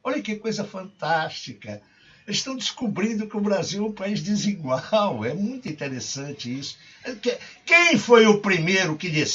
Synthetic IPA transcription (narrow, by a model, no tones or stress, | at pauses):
ɔʎɐkɪkojzɐfɐ̃nt̪aʃt͡ʃikɐ | ʃt̪ɐ̃w̃d̪ɪskubɾĩnd̪ʊkɪʊbɾaziwɛũpaizd̪ɪziɡwawɛmũj̃t̪ĩnt̪eɾesɐ̃nt͡ʃɪisʊ̥ | ɛkɛkẽj̃fojʊpɾimejɾʊkɪd̪is